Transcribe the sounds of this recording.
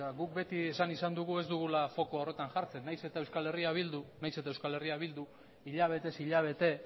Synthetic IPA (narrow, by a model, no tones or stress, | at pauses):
aɣuk̚be̞t̪iesanisand̪uɣue̞zd̪uɣ̞ulafo̞koaore̞t̪aŋʝaɾt͡se̞nːajse̞t̪aewskale̞riaβild̪unajse̞t̪aewskale̞riaβ̞ild̪u | iʎaβ̞e̞t̪e̞siʎaβ̞e̞t̪e̞